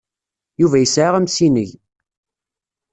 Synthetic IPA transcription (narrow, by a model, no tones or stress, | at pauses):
juvæjəsʕaʁəmsinəʝ